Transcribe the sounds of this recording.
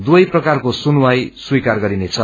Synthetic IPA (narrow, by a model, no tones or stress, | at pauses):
d̪uʌjprʌkarkosunuwajswikarɡʌɾinet͡sʰʌ